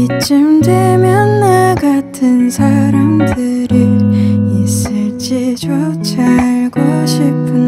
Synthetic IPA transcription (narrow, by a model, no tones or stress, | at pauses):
it͡ɕ͈ɯmdwemjʌnːaɡatʰɯnsʰaɾamdɯɾɯis͈ɯɭt͡ɕ͈id͡ʑot͡ɕʰaɭɡoɕʰipʰɯ